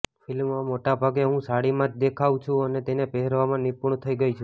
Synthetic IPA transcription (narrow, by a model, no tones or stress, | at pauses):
fʰɪlmʋãmoʈabʱaɡeɦũsaɽimãt̪d̪ekʰaʋt͡ʃʰũənet̪enepeɦɛɾʋamãnipuɳt̪ʰəiɡəit͡ʃʰũ